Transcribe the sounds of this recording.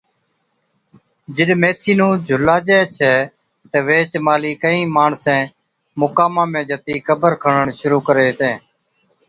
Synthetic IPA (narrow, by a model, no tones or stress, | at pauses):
d͡ʒɪɗmeːt̪ʰiːnũːd͡ʒʱʊlaːd͡ʒɛːt͡ʃʰɛː | t̪əːʋeːt͡ʃmaːliːkəĩːmaːɳsẽː | mʊkaːmãːmẽːd͡ʒət̪iːkʰəbəɾkʰəɳəɳʃʊɾuːkəɾeːt̪ẽː